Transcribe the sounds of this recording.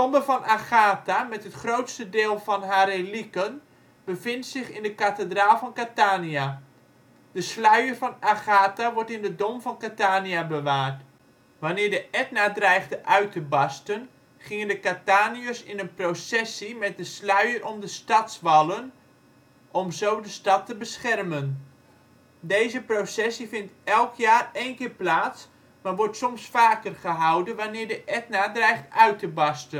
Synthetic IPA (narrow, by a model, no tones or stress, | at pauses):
ɔmbəvɔnaχaːtamɛtɦətχrowtstədɪːlˠvɔnɦaɾelikən | b̥əvɪntsɪχɪndəkatədraːlˠfɔnkataːnia | d̥əslœɥərvɔnaχaːtaʋɔɹtɪndədɔmvɔnkataːniabəʋaːrt | ʋanɪːrdəʔɛt̚nadrɛjɣdəʔœɥtʰəbɑstən | χɪŋəndəkataːniəsɪnənprowsɛsimɛt̚dəslœɥərʔɔmdəstɑtsʋɑlˠən | ʔɔmzowdəstɑtːəbəsχɛrmən | dejzəprosɛsifɪntɛlˠkʰjaːreːnkɪːrplaːts | maʋɔrtsɔmsfaːkərχəɦawdənʋanɪːrdəʔɛtnaːdrɛjχtœɥtəbɑstə